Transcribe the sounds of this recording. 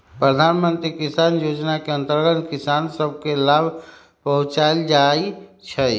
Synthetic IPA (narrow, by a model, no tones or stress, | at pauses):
pɾəd̪ʱanmənt̪ɾikisanjod͡ʒnakeə̃nt̪əɾɡət̪kisansəbʱkelabʱ | pəɦʊ̃t͡ʃaeld͡ʒait͡ʃʰɛ